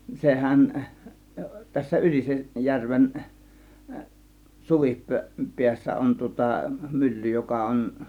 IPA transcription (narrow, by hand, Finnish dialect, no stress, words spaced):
sehæn tæsːæ yliseʔ jærʋen suʋippeæsːæ on tŭŏtɑ mylːy jokɑ on